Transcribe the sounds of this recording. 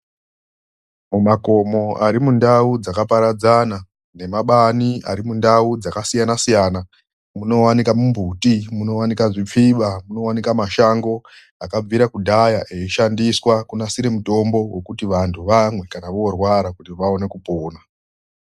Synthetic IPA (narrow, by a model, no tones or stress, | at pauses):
mumako̞mo̞aɾimundaud͡zakapaɾad͡zana | ne̞maɓania̰ɾimundaud͡zakasijanasijaːna | muno̞wanikamumbʱutimuno̞wanikaʐip͡fiɓamuno̞wanikamaʃaŋɡo̞ | akab͡viɾakudʱajaʔeiʃandiswakunasiɾemuto̞mbo̞we̞kutiʋantʰuʋamwe̞kanaʋorwaɾakutiʋao̞ne̞kupoːna